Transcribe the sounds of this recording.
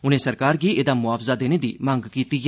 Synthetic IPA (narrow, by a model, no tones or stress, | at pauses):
ʊnẽːsəɾkaːɾɡiːʔeːd̪aːmʊaːfzaːd̪eːneːd̪ḭːmə̃ŋɡkiːt̪i